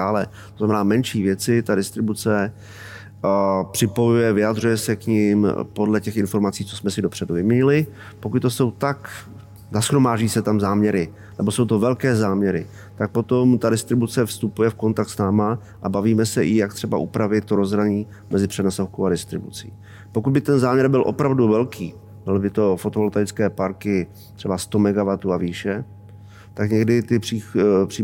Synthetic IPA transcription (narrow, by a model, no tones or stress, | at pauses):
aːlɛt̪oznamɛnaːmɛnʃiːvjɛt͡sɪt̪adɪst̪ɾɪbut͡sɛ | pr̥ɪpo̞jujɛvɪjad̪rujɛsɛkɲɪmpo̞dlɛcɛxɪnfo̞ɾmat͡siːt͡sosmɛsɪdo̞pr̥ɛduvɪmɲɛɲɪlɪ | po̞kut̪̚t̪o̞so̞wt̪ak | zasxɾo̞maːʒɟiːsɛt̪amzaːmɲɛɾɪ | nɛbo̞so̞wt̪o̞vɛlkɛːzaːmɲɛɾɪ | t̪ak̚po̞t̪o̞mt̪adɪst̪ɾɪbut͡sɛfst̪upujɛfko̞nt̪ak̚t̪snaːma | ʔabaviːmɛsɛʔɪjak̚t̪r̥ɛba̰ʔupɾavɪt̪̚t̪ːoɾo̞zɾaɲiː | mʔɛzɪpr̝̥ɛnasofkowadɪst̪ɾɪbut͡sḭː | pokud̪̚bɪt̪ɛnzaːmɲɛɾbɪlʔo̞̰pɾavduvɛlkʰiː | bɪlbɪt̪o̞fot̪oolt̪ajt͡skɛːpaɾkɪ | t̪ɛbast̪o̞mɛɡavat̪uaviːʃɛ | t̪akɲɛɡdɪt̪ɪriːpr̥i